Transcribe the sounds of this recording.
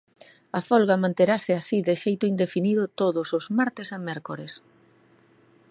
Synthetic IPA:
afɔlɣamãnt̪eɾasɪasiðɪʃejt̪ʊind̪efiniðʊt̪oðʊsʊzmaɾt̪ɪsamɛɾkoɾes

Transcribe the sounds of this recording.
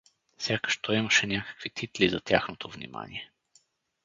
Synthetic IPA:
fsʲjakə̥ʃt̪oiməʃɛnʲakə̥kvit̪ʰit̪lizɐt̪ʲjaxnot̪ʰovnḭma̰nḭɛ

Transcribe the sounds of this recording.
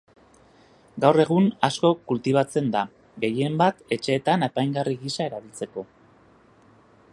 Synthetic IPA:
ɡawre̞ɣ̞unasko̞kult̪iβat͡se̞nd̪a | ɡe̞je̞mbat̪e̞t͡ʃe̞ːt̪ane̞pajŋɡariɣisae̞ɾaβilt͡se̞ko̞

